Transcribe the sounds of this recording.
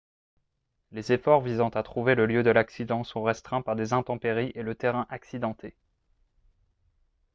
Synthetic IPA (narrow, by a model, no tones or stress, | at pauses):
lezefɔʁvizɑ̃t̪at̪χuveləljød̪əlaksid̪ɑ̃sɔ̃ʁɛst̪χɛ̃paʁd̪ezɛ̃t̪ɑ̃peʁiʔelət̪eʁɛ̃ʔaksid̪ɑ̃t̪ʰe